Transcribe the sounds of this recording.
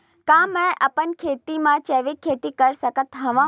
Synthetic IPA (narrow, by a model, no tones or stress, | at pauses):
kãːmɛ̃ʔəpənkʰeːt̪imãt͡ʃeʋikʰːeːt̪ikəɾsəkət̪ɦɐʋã